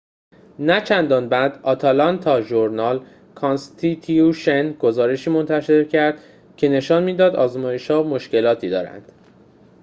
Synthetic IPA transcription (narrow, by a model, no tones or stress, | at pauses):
næt͡ʃʰænd̪ɒːnbæd̪ɒːt̪ʰɒlɒnt̪ʰɒːʒoɾnɒːl | kʰɒnst̪ʰit̪ʰiuʃenɡo̞zɒːɾe̞ʃiːmo̞nt̪ʰæʃe̞ɾcʰæɾd̪̥ | cʰe̞ne̞ʃɒːnmiːd̪ɒːd̪ɒːzmɒːje̞ʃhɒːmo̞ʃce̞lɒːt̪ʰiːd̪ɒ̰ːɾæ̰nd̪̥